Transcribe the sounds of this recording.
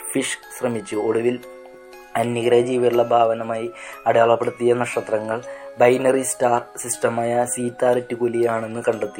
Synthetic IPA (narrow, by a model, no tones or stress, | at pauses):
fiʂɕrɐmit͡ɕːuo̞ɽuʋil | ɐnjiɣɐɾɐd͡ʑiːʋɐɾuɭːɐbʱaːʋɐnɐmaːjiɐɽeɐɭɐpːeɽut̪ːijɐnɐʂɐt̪rɐŋːɐɭbɐjnɐristaːrsistɐmaːjɐsiːt̪ːaːɾɐtːɨkolijaːɳe̞nːɨkɐɳɖet̪ːi